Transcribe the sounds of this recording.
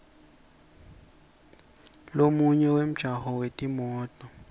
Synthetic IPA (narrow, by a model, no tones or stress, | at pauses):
lomuɲɛwem̩ʒ̥ʱahɔwetʼimɔːtʼɔ